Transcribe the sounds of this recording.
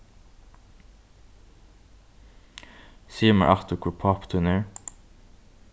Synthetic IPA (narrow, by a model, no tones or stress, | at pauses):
siːmə̰ʔɑt̪ʊkʰʊpʰɑpt̪ʰʉnəɹ